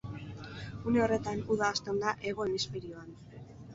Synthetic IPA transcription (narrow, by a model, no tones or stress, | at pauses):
une̞o̞re̞t̪anuðaːst̪e̞ond̪aʔe̞ɣo̞enispeɾio̞an